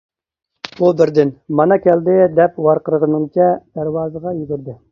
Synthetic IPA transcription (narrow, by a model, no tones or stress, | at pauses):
ubɪɾd̪ɪnmɑnɑkʲɛld̪ɪd̪ɛpwɑɾqəɾəʁənɨŋt͡ʃʰɛd̪̥æɾwɑːzəʁɑjyɡʲyɾd̪ɪ